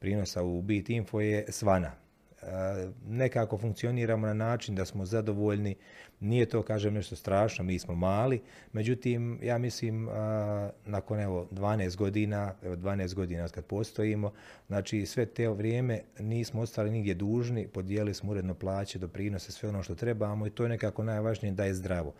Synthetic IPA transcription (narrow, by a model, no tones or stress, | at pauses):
pɾiːno̞saubiːt̪iɱfo̞jesʋana | ne̞kaːko̞fuŋk̪̚sio̞niːɾaːmonanaːt͡ʃind̪asmo̞zad̪o̞ʋoːʎni | niːjet̪oːkaːʒeːmne̞ʃt̪o̞st̪ɾaːʃnomiːsmomaːli | me̞d͡ʑut̪iːmjaːmisliːm | nako̞ne̞ʋo̞d̪ʋaːneːst̪ɡo̞d̪iːnaeʋo̞d̪ʋaːneːst̪ɡo̞d̪iːnaod̪kad̪̚po̞ːst̪o̞iːmo̞ | znaːt͡ʃiːsʋe̞t̪eʋɾjeːme̞niːsmoot̪st̪aliniɡd̪ʲje̞d̪uːʒnipo̞d̪jeːlilismouɾe̞d̪noplˠaːt͡ɕed̪o̞pɾiːno̞sesʋe̞o̞noːʃt̪o̞t̪ɾe̞baːmo̞it̪oːjene̞kaːko̞najʋaʒnijed̪aːjezd̪ɾaʋo